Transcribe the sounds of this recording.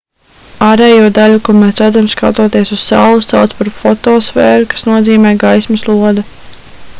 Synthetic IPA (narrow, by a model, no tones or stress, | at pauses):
aːɾɛːjuɔd̪aʎukuɔmɛːsɾad̪zamska̰t̪uɔt̪iɛsuz̥sa̰wlˠust̪sa̰wt̪spaɾfɔt̪ɔːsfɛːɾukḁsnuɔziːmɛːɡajsmɐslˠuɔd̪a